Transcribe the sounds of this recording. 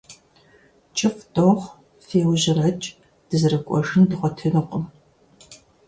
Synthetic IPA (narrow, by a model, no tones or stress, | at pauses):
t͡ʃʼɪfdoʁ | feːwʑɪrʕat͡ʃʼ | d̥ɨzɨrɐkʷʼɔ̰ʐɨndɨχʷɔtʰɨnɨqʷʼʊm